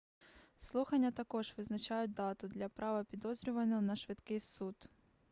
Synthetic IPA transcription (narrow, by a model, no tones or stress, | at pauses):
slˠuxɐnʲːɐt̪ɐkɔʐʋɨznɐt͡ɕajʊt̪̚d̪ɑt̪ʊd̪lʲɐpɾʔavɐpʲɪd̪ɔzɾʲɪvɐnːɔnɐʂʋɨt̪kɪjsut̪